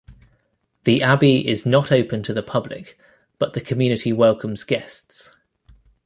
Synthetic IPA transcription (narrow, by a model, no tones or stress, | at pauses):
ðiʔabiɪznətʰəʊpə̃ntʰəðəpʰʌblɪ̰k | b̥ʌʔðəkʰəmjʉːñɪtʰiwɛlˠkʰə̃mz̥ɡɛsts